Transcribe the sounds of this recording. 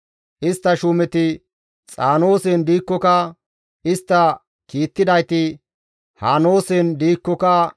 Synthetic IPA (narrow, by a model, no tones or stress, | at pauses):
ʔɪst̪ːɐʃʊmɛt̪ɪ | t͡sʼaːno̞ːsɛnd̪iːkːɔkɐ | ɪst̪ːɐ | kiːt̪ːɪd̪ɐjt̪ɪ | haːno̞ːsɛnd̪iːkːɔkɐ